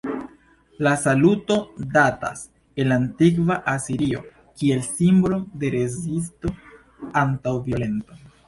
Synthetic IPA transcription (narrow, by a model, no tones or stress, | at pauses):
lasaluto̞data̰s | e̞lantikvaʔasiɾio̞̰ | kie̞lsimbɾo̞de̞ɾe̞zis̬to̞ | antawvio̞le̞nto